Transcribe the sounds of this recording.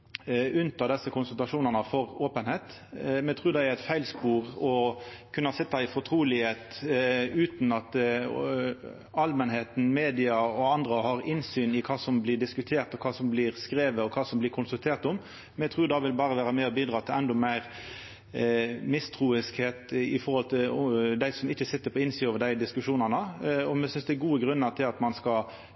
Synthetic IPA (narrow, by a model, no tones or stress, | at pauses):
ʉnt̪ɑd̪ɛsːəkʊnsʉlt̪ɑʂuːnənəfɔɾoːpənheːt̪ | mɛt̪ʰɾʉːd̪ɛæɾæɪt̪fæɪlspuːɾɔkʰʉnːɑsɪt̪ːɑɪfɔt̪ʰɾuːlɪheːt̪ | ʉːt̪n̩ɑt̪ | ɑlmənheːt̪n̩meːd̪ɪɑɔɑnd̪ɾəhɑːɾɪnsyːnɪkʰɑːsɔmblɪd̪ɪskʉt̪ʰeːɾt̪ɔkʰɑːsɔmblɪɾskɾeːʋəɔkʰɑːsɔmblɪɾkʰʊnsʉlt̪ʰeːɾt̪ʊm | mɛt̪ʰʁuːd̪ɑʋɪlbɑːɾəʋæːɾəmɛɔbiːd̪ɾɑːt̪ʰɪlɛnd̪ɔmæɪɾ | mɪst̪ʰʁuːɪskheːt̪ɪ̰fɔɾhɔlt̪ʰɪld̪æɪsɔmɪçːəsɪt̪ːəɾpʰɔɪnsioːʋəd̪æɪd̪ɪskʉʂuːnɑnəɔmɛsʏnsd̪ɛɡuːəɡɾʉnːəɾt̪ʰɪlɑt̪mɑnskɑ